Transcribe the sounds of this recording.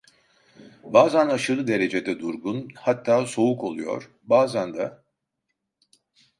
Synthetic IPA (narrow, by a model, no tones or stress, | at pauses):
baːzænaʃɯlˠɯd̪e̞ɾe̞d͡ʒed̪ɛd̪uɾɡunhat̪ʰːaːso̞uko̞lˠujo̞̰ɾ̥ | baːzænd̪a